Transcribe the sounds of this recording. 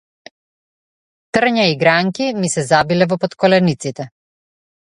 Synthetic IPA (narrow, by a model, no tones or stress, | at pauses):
t̪r̩ɲaiɡɾaŋkimisɛzabilɛvɔpɔt̪kɔlɛnit̪sit̪ɛ